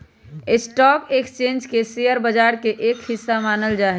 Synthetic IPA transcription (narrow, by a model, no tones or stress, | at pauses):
esʈɔːkekst͡ʃẽːnd͡ʒkesejəɾbəd͡ʒaːɾkeʔeːkhɪsːamaːnəld͡ʒaːɦ